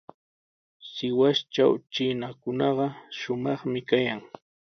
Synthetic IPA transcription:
sɪwast͡ʃa̰wt͡ʃɪnakʊnɑɢɑʃʊmɑχmɪkajaŋ

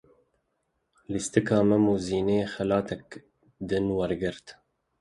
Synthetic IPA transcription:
list̪ɨkɑːmɛmuziːneːxɛlɑːt̪ʰɛk̚ | d̪ɨnwɛɾɡɨɾt̪

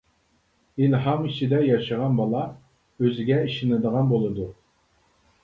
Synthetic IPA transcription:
ilɦɑmit͡ʃʰid̪ɛjɑʃəʁɑnbɑlˠɑ | øzɪɡʲɛiʃinɨd̪əʁɑnbolˠɨd̪u

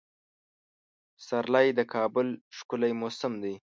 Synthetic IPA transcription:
saɾlɑjd̪əkʰɑbʊlʂkʊlajmosɪmd̪ij

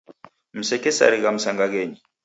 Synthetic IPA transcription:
m̩sɛkɛsa̰ɾikam̩saŋɡak̬eːɲi

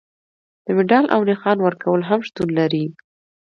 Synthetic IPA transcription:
d̪̥əmɪɖɑlʔa̰wnɪxɑnwəɾkawəlɦamʃt̪unlaɾi

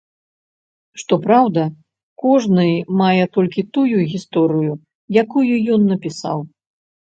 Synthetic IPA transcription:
ʂt̪ɔpɾawd̪ɐ | kɔʐnɨjmajɛt̪ɔlʲkʲit̪ujuɣʲist̪ɔɾɨju | jakujujɔnːɐpʲisa̰w

